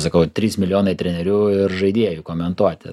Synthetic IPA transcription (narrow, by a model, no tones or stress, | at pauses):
sɐkɐʊt̪ʲɾʲiːsmʲɪlʲɪjoːnɐɪt̪ʲɾʲɛnʲɛɾʲuːɪrʒɐɪd̪ʲiɛjʊkoːmʲɛnt̪uɔt̪ʲɪ